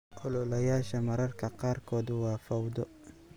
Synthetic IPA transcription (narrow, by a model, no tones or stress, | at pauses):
ʔɔlɔlɐjaːʃɐmɐɾɐrkʰɐqɑːrkʰɔːd̪wɑːfɐwd̪ɔ